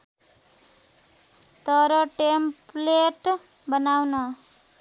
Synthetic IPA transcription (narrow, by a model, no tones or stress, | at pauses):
t̪ʌɾʌʈempleʈ | bʌnawnʌ